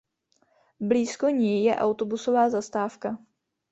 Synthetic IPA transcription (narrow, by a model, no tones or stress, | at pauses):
bliːsko̞ɲɛjjɛʔawt̪o̞buso̞vaːzast̪aːfka